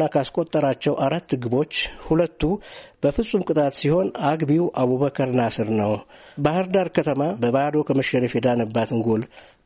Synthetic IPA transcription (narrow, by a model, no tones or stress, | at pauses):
akʰaskʼo̞t̪ʼːəɾat͡ʃːɛwʔaɾat̪ːɨɡɨbo̞t͡ʃːhulət̪ːub̥əfɨsʼːumkʼɨt̪ʼat̪siho̞naɡbiwʔaβuβəkʰəɾɨnasɨɾnəwbahɨɾd̪aɾkʰət̪ʰəmabəβahd̪o̞kʰəməʃəɾifjɛd̪anəbːat̪ɨŋɡol